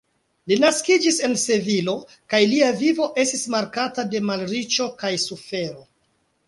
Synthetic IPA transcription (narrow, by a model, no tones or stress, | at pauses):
linaskid͡ʒise̞nse̞vilo̞ | kajliavivo̞ʔe̞stismaɾkatade̞malɾit͡ʃo̞kajsufe̞ɾo̞